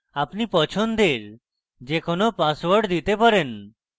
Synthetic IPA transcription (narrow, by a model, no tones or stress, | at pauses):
apnipɔt͡ɕʰond̪eɾ | d͡ʑekonopaswaɾɖd̪it̪epaɾen